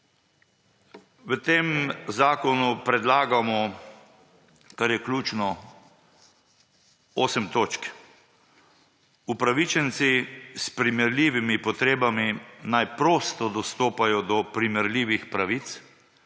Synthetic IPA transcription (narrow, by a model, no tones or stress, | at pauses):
ʋət̪eːmzaːkɔnupɾɛd̪laːɡamɔ | kaɾjɛklʲuːt͡ʃnɔ | oːsəmt̪oːt͡ʃk | upɾaʋit͡ʃɛnsispɾimɛɾlʲiːʋimipɔt̪ɾeːbaminajpɾoːst̪ɔd̪ɔst̪oːpajɔd̪ɔpɾimɛɾliːʋixpɾaʋit̪s